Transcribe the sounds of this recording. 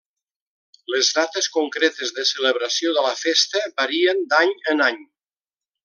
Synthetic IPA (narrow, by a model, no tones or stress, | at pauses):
ləzðat̪əskuŋkɾet̪əzðəsələβɾəsioðələfest̪əbəɾiənd̪aɲənaɲ